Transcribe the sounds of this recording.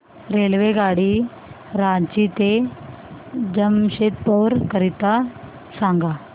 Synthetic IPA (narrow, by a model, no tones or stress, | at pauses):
ɾelʋeɡaɽi | ɾat͡ɕit̪e | d͡ʑəmɕet̪̚pɔɾkəɾit̪a | sãŋɡa